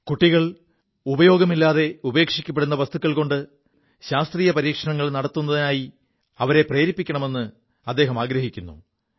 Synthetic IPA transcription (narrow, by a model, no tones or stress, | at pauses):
kuʈːiɣɐɭ | ubɐjo̞ːɡɐmilːaːðe̞ube̞ːkʂikʲːɐp̬ːeɽunːɐʋɐst̪ukːɐɭko̞ɳɖɨ | ɕaːst̪riːjɐpɐɾiːkʂɐɳɐŋːɐɭnɐɽɐt̪ːunːɐðinaːji | ɐʋɐɾe̞preːɾipːikʲːɐɳɐme̞nːɨ | ɐd̪ːe̞ːɦɐmaːɡɾɐɦikʲːunːṵ